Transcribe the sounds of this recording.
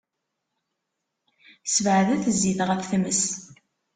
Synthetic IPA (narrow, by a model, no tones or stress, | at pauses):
səvʕəðæθəzːiθʁəθθməs